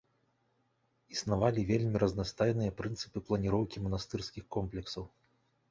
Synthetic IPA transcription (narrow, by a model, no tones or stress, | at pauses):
isnavalʲivʲelʲmʲiɾɐznast̪ajnɨjɐpɾɨnt̪sɨ̥pɨplˠɐnʲiɾɔwkʲimɐnast̪ɨrskʲixkɔmplʲɛksɐw